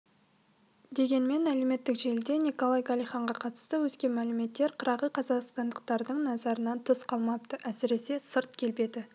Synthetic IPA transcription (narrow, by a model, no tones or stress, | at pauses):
d̪e̞ɡʲe̞nme̞nmæle̞me̞t̪ːɪkʒe̞ld̪e̞nʲiko̞lˠajɡɑlˠijχɑɴʁɑqʰɑt̪ə̥st̪əwɵskʲe̞nmælɪme̞t̪ːe̞ɾqʰəɾɑʁəqʰɑzɑqst̪ɑnd̪əqt̪ɑɾd̪əɴnɑzɑɾənɑnt̪ʰəsqʰɑlˠmɑp̚t̪əʔæsɪɾe̞se̞səɾt̪̚kʲʰe̞lbe̞d̪ɪ